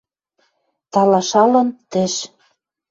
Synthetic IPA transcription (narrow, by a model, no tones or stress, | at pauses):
t̪ɑlɑʃɑlɤ̆nt̪ĕʃ